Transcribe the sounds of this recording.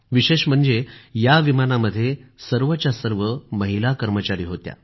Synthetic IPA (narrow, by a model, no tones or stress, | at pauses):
ʋiɕeɕm̤əɳd͡zejaʋimanaməd̪ʱːjesəɾʋət͡ɕjasəɾʋəməɦilakəɾmət͡ɕaɾiːɦot̪ja̰